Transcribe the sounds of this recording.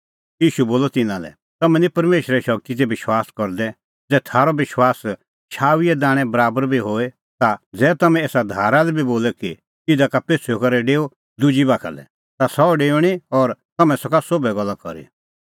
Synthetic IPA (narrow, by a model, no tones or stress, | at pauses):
jiːʃuboːlɔt̪ɪnãlɛ̰ | t̪ɐmɛ̃nipɐɾmeːʃɾɛʃɔɡ̚t̪it̪ɛbɪʃwaːskɔɾd̪ɛ | d͡zɛːt̪ʰaːɾɔbɪʃwaːs | ʃʰaːwiɛd̪aːɽ̃ɛ̃bɐɾaːbəɾbʱiɦoːe | t̪ad͡zɛːt̪ɐmɛ̃eːsad̪ʱaːɾalɛbʱiboːlɛki | ɪd̪akapeːsʰokɐɾɛɖeːo | d̪ʊd͡ʒibaːkʰa̰lɛ̰ | t̪asɔɖeːɽ̃iɔɾt̪ɐmɛ̃sɔkasobɛɡɔlːakɔ̰ɾḭ